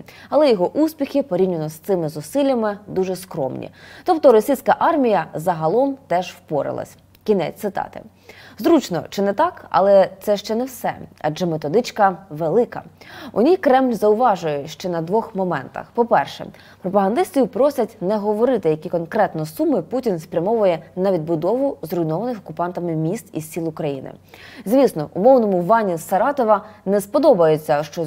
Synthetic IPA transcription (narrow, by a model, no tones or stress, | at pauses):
ɐlˠɛjɔɦɔʔuspʲixʲɪpɔɾʲinʲɪnɔst̪sɪmɪzʊsɪlʲːɐmɪd̪uʒɛskɾɔ̰mnʲḭt̪ɔp̚t̪ɔɾɔsʲijsʲkɐʔɑrmʲijɐzɐɦɐlˠɔmt̪ɛʒwpɔɾɪ̰lˠɐ̰sʲ | kʲinɛ̰t͡sʲt̪ɪt̪ɑ̰t̪ɪ̰ | zɾut͡ʃnɔ̰t͡ʃɪnɛt̪ɑkɐ̰lˠɛt̪sɛʃt͡ʃɛnɛwsɛ̰ɐ̰d͡ʒɛmet̪ɔd̪ɪt͡ʃkɐʋelˠɪkɐ̰ʊ̰nʲijkɾɛmlʲzɐʊʋɑʒʊjʊʃt͡ʃɛnɐd̪ʋɔxmɔmɛ̰nt̪ɐ̰xpɔpɛrʃɛ̰ | pɾɔpɐɦɐnd̪ɪst̪ɪjʊpɾɔsʲɐtʲnɛɦɔʋɔɾɪt̪ɪjɐkʲikɔnkɾɛt̪nɔsumɪputʲinspɾʲɐmɔʋʊjɛnɐʋʲid̪̚bʊd̪ɔʋʊzrɔjnɔʋɐnɪxɔkʊpɑnt̪ɐmɪmʲist̪isʲsʲilˠʊkɾɐjḭnɪ̰zʲʋʲisnɔʔʊmɔwnɔmʊʋɑnʲisɐɾɑt̪ɔʋɐnɛspɔd̪ɔbɐjʊt͡sʲːɐʃt͡ʃɔ